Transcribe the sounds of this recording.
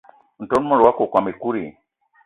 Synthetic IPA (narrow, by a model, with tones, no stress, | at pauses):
n̩˨tɔ˦n˦mɔ˦˨ɾwa˦kɔ˨kwa˨mi˨ku˦ɾḭ˨